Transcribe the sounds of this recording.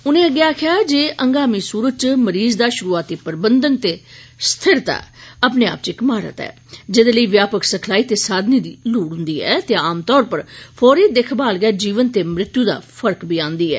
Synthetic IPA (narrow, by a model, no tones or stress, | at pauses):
ʊnẽːəɡːjaːkʰɪjaːd͡ʒeːʔəŋɡaːmiːsuːɾət͡ʃməɾiːzd̪aːʃʊɾuːaːt̪iːpəɾbənd̪ənt̪eːst̪ʰɪɾt̪a̰ːəpneːa̰ːp̚t͡ʃɪkmaːɾə̰t̪ɛ̰ː | d͡ʒɪd̪eːləiːʋjaːpəksəkʰlaːiːt̪eːsaːd̪niːd̪iːluːɽɦʊ̃nd̪iːɛ̰ːt̪eːaːmt̪ɔːɾpəɾpʰɔːɾeːd̪ekʰbaːlɡɛːd͡ʒiːʋənt̪eːmɾɪt̪juːd̪a̰ːpʰəɾkbiːãːnd̪iːɛ̰ː